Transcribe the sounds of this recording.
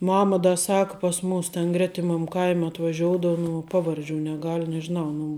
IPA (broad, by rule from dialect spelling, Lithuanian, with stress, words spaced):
ˈmɑːmɐ ˈdɐ ˈsɐk pɐs ˈmuːs tʲɛn ˈɡrʲæːtʲɪmɐm ˈkɐɪmʲ ɐtʋɐˈʒʲoːʊdɐʋoː nʊ ˈpɑːʋɐrʲˌd͡ʒʲuː nʲɛˈɡɐlʲ nʲɛʒʲɪˈnɐʊ nʊ